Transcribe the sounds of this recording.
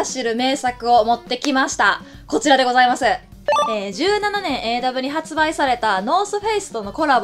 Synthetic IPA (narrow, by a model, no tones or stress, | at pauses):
ɕiɾɯ̟me̞ːsakɯ̟o̞mo̞t̪ːe̞kʲimaɕi̥t̪a | ko̞t͡ɕiɾad̪e̞ɡo̞zaimasɨ | eːd͡ʑɨːnananẽ̞ɰ̃ʔe̞ːd̪abɯ̟ɲ̟iɦat͡sɨbaisaɾe̞t̪ano̞ːsɨɸeisɨ̥t̪o̞no̞ko̞ɾab